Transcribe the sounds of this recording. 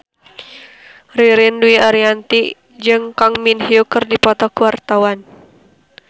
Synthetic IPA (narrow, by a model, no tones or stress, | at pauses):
riɾinduiaɾiant̪iʔ | d͡ʒɨŋkaŋminɦiukɨrdipɔt̪ɔkuwart̪awan